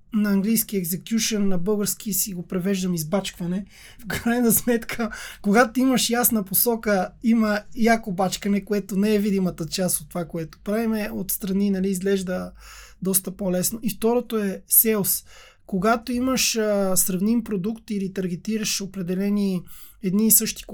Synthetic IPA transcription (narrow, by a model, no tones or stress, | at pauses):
nɐɐŋɡlijsk̟iɛɡzɛkʲjuʃənːɐbɤlˠɡəɾsk̟isiɡopɾɛvɛʒd̪əmizbat͡ʃkvɐnɛ | fkɾajnɐsmɛt̪kʰəkoɡat̪oiməʃjasnɐposɔkəiməjakobat͡ʃkɐnɛkoɛt̪onɛɛvid̪imət̪ət͡ʃast̪ot̪ːovakoɛt̪o̥pɾavimɛot̪st̪ɾɐninɐliːzɡlɛʒd̪ə | d̪ɔst̪əpolɛsnoift̪ɔɾot̪oɛsɛos | koɡat̪oiməʃəsɾɐvnimpɾod̪ukt̪ilit̪ɐɾɡ̟ɛt̪iɾəʃopɾɛd̪ɛlɛniɛd̪niːsɤʃt̪i̥